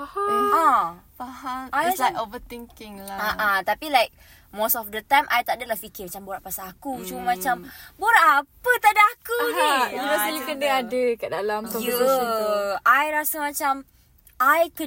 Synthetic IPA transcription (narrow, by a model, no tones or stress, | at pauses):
ahaãpaɦanaakovət̪ĩŋkɪ̃ŋlaaʔat̪apilajk̚ | mosɔfd̪ət̪ãjmʔajt̪aʔdəlahfikɪmat͡ʃamboɾaʔpasaːkut͡ʃuməmat͡ʃamboɾaʔapət̪adaakuniɾaijukəndəadəkaʔdalamt̪ɔj | ʔajɾasəmat͡ʃam | ʔajkə